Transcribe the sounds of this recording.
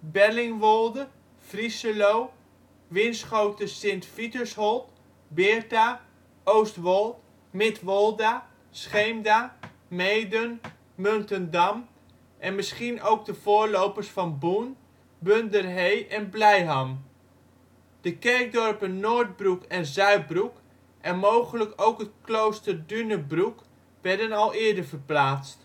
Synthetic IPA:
bɛrlɪŋʋɔlˠdə | frisəlow | ʋɪnsχowtəsɪntfitəshɔlˠt | bɪrta | owstʋɔlˠt | mɪtʋɔlˠda | sχejmda | mejdən | møntəndam | ʔɛnmɪsχinowɡ̚dəv̥ʊːɹlowpərsfɑnbun | bøndərɦejʔɛnblɛjɦam | d̥əkɛrk̚dɔrpənːoːrd̚brukɛnzœɥt̚bruk | ʔɛnmowχələkowkɦətklowstərdynəbruk | ʋɛɹdənɑlˠɪːɹdəvərplaːt͡st

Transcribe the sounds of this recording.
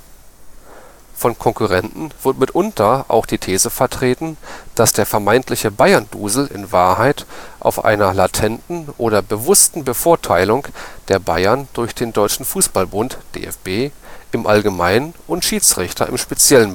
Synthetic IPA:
fɔnkʰɔŋkuʁɛntn̩v̥ɪɐtmɪtʔʊntʰɐʔa̰ʊxd̥iːtʰeːzəfɛɐtʁ̥eːtn̩d̥asd̥eːɐfɛɐmaɪntʰlɪçəbaɪɐndṵːzl̩ɪ̰nvaːɐhaɪtʔa̰ʊfʔa̰ɪnɐlatʰɛntn̩ʔoːɾɐbəvʊstn̩bəfoːɐtʰaɪlʊŋd̥eːɐbaɪɐndʊɐçd̥eːndɔʏt͡ʃn̩fuːsb̥albʊntd̥ḛːʔɛ̰fb̥eːʔɪmʔalɡəmaɪnənʊntʃiːt͡sʁ̥ɪçtʰɐ̰ʔɪ̰mʃpet͡sjɛlən

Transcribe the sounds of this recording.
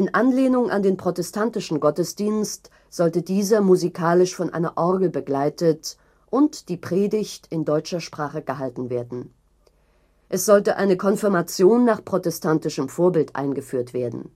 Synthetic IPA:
ʔɪnʔanleːnʊŋʔa̰ndeːnpʁ̥otɛstʰantɪʃn̩ɡɔtəsd̥iːnst | z̥ɔltədiːzɐmuzikʰaːlɪʃfɔnʔa̰ɪnɐʔɔɐɡl̩bəɡlaɪtət | ʔʊntd̥iːpʁ̥eːdɪçtɪndɔʏt͡ʃɐʃpʁ̥aːχəɡəɦaltn̩veːɐdn̩ | ʔɛsz̥ɔltəʔa̰ɪnəkʰɔnfɪɐmat͡sjoːnːaːχpʁ̥otɛstʰantɪʃəmfoːɐbɪltʔa̰ɪnɡəfyːɐtv̥eːɐdn̩

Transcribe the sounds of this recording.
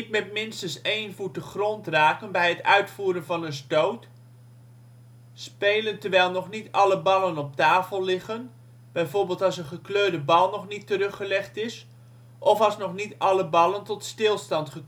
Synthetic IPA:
t̚mɛt̚mɪnstənseːnvut̚dəχrɔntraːkənbɛjətœ̰ɥtfuːɾənvɑnənstowt | speːləntəɹʋɛjlˠnɔχnitɑləbɑlənɔp̚taːfəlˠlɪχən | b̥ɛjvorbɪːlˠtɑsənχəkløːdəbɑlˠnɔχnitəɾɵχəlɛχtɪs | ʔɔfɑsnɔχnitɑləbɑlˠəntɔtstɪlˠstɑntχə

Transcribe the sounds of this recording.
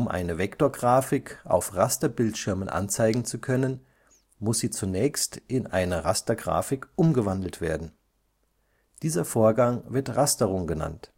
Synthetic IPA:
ʊmʔa̰ɪnəvɛktoːɐɡʁaːfɪkʔa̰ʊfʁastɐbɪltʃɪɐmənʔa̰nt͡saɪɡŋ̩t͡sukʰœnən | mʊsz̥iːt͡sunɛːçstʔɪnʔaɪnɐʁastɐɡʁa̰ːfɪkʔʊmɡəvandl̩tv̥eːɐdn̩ | d̥iːzɐfoːɐɡaŋvɪɐtʁastəʁʊŋɡəna̰nt

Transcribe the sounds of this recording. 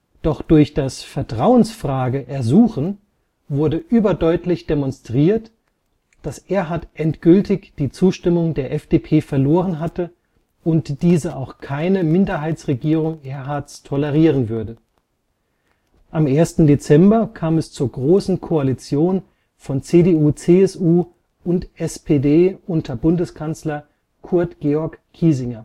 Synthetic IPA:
d̥ɔχd̥ʊɐçd̥asfɛɐtʁ̥aʊənsfʁ̥aːɡəʔɛɐzuːxən | vʊɐdəʔyːbɐdɔʏtlɪçd̥emɔnstʁ̥iːɐt | d̥asʔeːɐɦatʔɛntɡ̥ʏltɪçd̥iːt͡suːʃtɪmʊŋdeːɐʔɛfd̥epʰeːfɛɐloːʁ̞ənɦatə | ʊntd̥iːzəʔaʊxkʰaɪnəmɪndɐɦaɪt͡sʁeɡiːʁ̞ʊŋʔeːɐɦaɐt͡stʰɔlɛʁ̞iːʁənvʏɐdə | ʔamʔeːɐstn̩det͡sɛmbɐkʰaːmɛst͡suːɐɡʁoːsn̩kʰoalit͡sjoːn | fɔnt͡seːdeːuːt͡seːɛsuː | ʊntʔɛspʰedeːʔʊntʰɐbʊndəskʰant͡slɐ | kʰʊɐtɡ̥eːɔɐkʰːiːzɪŋɐ

